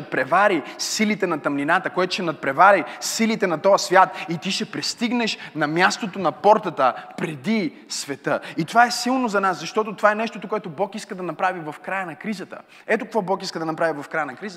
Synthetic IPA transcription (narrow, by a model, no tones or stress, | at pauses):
t̪̚pɾɛvaɾisilit̪ɛnɐt̪ɐmninat̪əkoɛt̪o̥ʃɛnɐt̪̚pɾɛvaɾisilit̪ɛnɐt̪ɔɐsvʲjat̪it̪iʃɛpɾɛst̪iɡnɛʃnɐmjast̪ot̪onɐpɔɾt̪ət̪əpɾɛd̪i | svɛt̪əit̪ovaɛsilˠnozɐnaszɐʃt̪ɔt̪ot̪ovaɛnɛʃt̪ot̪okoɛt̪obɔkiskəd̪ɐnɐpɾavivɐfkɾajənɐkɾizət̪ə̰ | ɛt̪okɐkvɔbɔkiskəd̪ɐnɐpɾavivɐfkɾajənɐkɾizə